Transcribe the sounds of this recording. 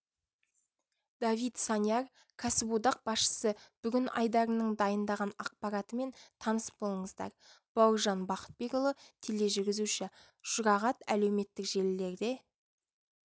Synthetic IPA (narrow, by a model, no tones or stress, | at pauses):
d̪̥avijt̪sɑnijɑr | kʰasɪbud̪ɑq̚b̥ɑsʃə̥səb̥ʏɡʲɪnɑ̰jd̪ɑɾənəɴd̪ɑjənd̪ɑʁɑnɑq̚pɑɾɑt̪əme̞nt̪ʰɑnəsə̥p̚bo̞lˠəɴəzd̪ɑ̰ɾ | b̥ɑwʒɑnbɑqə̥t̪̚be̞kolˠət̪ʰele̞ʒʏɾɡʲɪzuʃɪ | ʒ̥ʊɾɑʁɑt̪æ̰le̞wme̞t̪ːɪkʒ̥e̞lɪːe̞ɾd̪e̞